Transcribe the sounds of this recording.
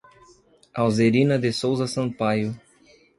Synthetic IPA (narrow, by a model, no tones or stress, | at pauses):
awzeɾĩnɐd̪esowzɐsɐ̃pajʊ